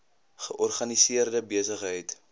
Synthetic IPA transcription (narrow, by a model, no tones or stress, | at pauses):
χəʔɔrχɐnisiərdəbiəsəχɦəjt